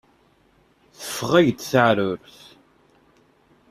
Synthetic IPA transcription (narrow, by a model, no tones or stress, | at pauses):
θə̥fːʁæʝd̪θəʕɾʊɾθ